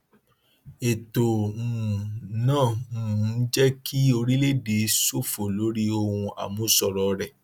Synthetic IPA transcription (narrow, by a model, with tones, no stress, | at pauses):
e˨tõ˨ | nãː˦˨˦d͡ʒɛ˦kʰi˦o˧ɾi˦le˦˨de˨˦so˦˨fo˨lo˨˦ɾi˦o˧hũ˧a̰˨mũ˦sɔ˨ɾɔ˨ɾɛ˨